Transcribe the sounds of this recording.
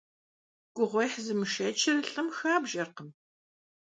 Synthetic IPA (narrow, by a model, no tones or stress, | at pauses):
ɡ̥ʷʊʁʷɔjħzɨmɨʃɐt͡ʃʰɪrɨɬɨmxaːbʒɐrqəm